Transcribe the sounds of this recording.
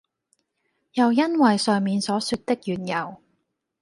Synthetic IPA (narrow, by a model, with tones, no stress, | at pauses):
jɐ˨wjɐ˥nwɐ˨jsœː˨ŋmiː˨nsɔː˨˥syː˧t̚t̪ɪ˥k̚jyː˨njɐ˨w